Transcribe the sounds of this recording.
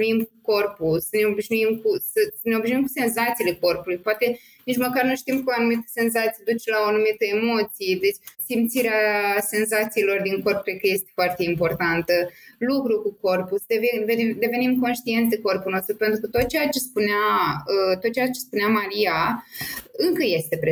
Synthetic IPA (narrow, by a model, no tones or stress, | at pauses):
uimkuko̞rpusəne̞o̞biʃnuimkusəsəneo̞biʃʒnuimkuse̞nzat̪sile̞ko̞rpulujpoat̪e̞ | nit͡ʃməkarnuʃt̪imkuanumit̪ə̥se̞nzat̪sijed̪ut͡ʃelaoanumit̪əe̞mo̞t̪sijed̪e̞t͡ʃʲsimt̪siɾease̞nzat̪siːlo̞rd̪iŋko̞rp̚kɾekəje̞st̪e̥foart̪e̞impo̞rt̪ant̪əlukɾukuko̞rpusd̪evveid̪e̞ve̞nimko̞nʃt̪ie̞nt̪eko̞rpulno̞st̪ɾupe̞nt̪ɾukət̪o̞t̪̚t͡ʃejat͡ʃe̞spuneaət̪ot̪̚t͡ʃejat͡ʃe̞spuneamaɾia | ɨŋkəje̞st̪e̞pɾe